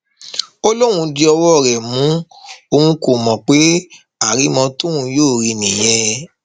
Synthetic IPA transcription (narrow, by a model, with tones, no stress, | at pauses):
o˦lo˦ɾũ˧di˧ɔ˧wɔ˦˨ɾɛ˨mũ˨˦ | o˧ũ˧ko˨mɔ̃˨k͡pe˨˦ | a˨ɾi˨˦mɔ̃˧tũ˦ũ˧joː˦˨ɾi˧nĩ˨jɛ˦